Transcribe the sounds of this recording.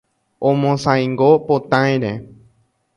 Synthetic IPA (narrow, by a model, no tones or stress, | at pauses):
õmõsãj̃ŋɡopot̪ãẽɾe